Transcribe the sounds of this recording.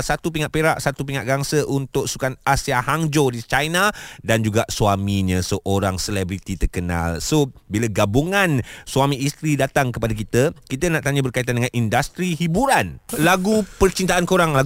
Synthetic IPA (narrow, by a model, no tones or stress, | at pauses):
sat̪upiŋaʔpeɾaʔsat̪upiŋaʔɡaŋsəʔunt̪ʊʔsukanasiahaŋd͡ʒodit͡ʃajnãdand͡ʒuɡaʔsuwamiɲə̃səʔoɾaŋsəlɛbɾit̪it̪ərkəna̰lsobiləɡabuŋãnsuamĩːst̪ɾidat̪aŋkəpadak̬it̪əkit̪ənaʔt̪aɲabərkait̪andəŋanindast̪ɾiɦibuɾanlaɡupərt͡ʃint̪aʔankoɾaŋla